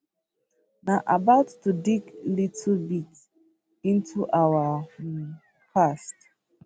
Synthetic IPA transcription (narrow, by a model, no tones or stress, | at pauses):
naʔabaʊtːudiklitʰlbit | ĩntʰuʔawa | pʰast